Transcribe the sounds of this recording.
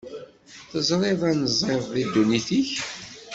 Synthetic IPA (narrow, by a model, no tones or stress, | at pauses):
θəzˤɾˤɪðˤænəzˤɪvðid̪ːuniθiç